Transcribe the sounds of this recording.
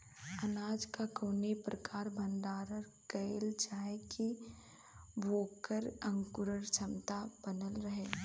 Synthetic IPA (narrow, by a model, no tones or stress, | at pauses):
ɐnaːd͡ʒkakoːnepɾɐkaːɾbʱə̃nd̪aːɾəɾ | kəlt͡ʃaːeki | bʱoːkəɾɐ̃ŋkʊɾəɾt͡ʃʰɐmt̪ab̥ənəlɾɐɦeː